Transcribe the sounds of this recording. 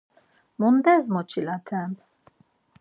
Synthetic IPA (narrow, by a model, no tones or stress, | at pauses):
mund̪ɛzmɔt͡ʃʰilat̪ʰɛm